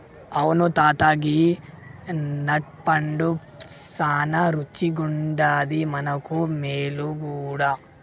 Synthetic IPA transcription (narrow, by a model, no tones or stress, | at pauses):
ɐʋɐnut̪aːt̪aːɡi | nɐʈ̚pɐɳɖu | saːnɐɾut͡ʃːiɡuɳɖaːd̪imɐnɐkumeːluɡuːɽa